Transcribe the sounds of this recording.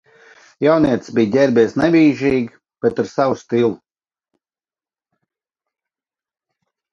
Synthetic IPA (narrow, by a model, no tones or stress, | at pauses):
jawniɛt̪sbijɟʲɛɾbɛːsnɛvʲiːʒiːɡi | b̥et̪aɾsawust̪ilˠu